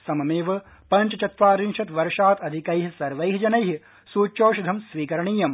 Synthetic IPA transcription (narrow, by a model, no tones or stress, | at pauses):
sɐmɐmeːʋɐ | pɐɲt͡ʃɐt͡ʃɐt̪ʋaːɾinʃɐt̪ʋɐɾʃaːt̪ɐd̪ʱikɐjɦisɐɾʋɐjɦid͡ʒɐnɐjɦi | suːt͡ʃoːʃud̪ʱɐmsʋiːkɐɾɐɳiːjɐm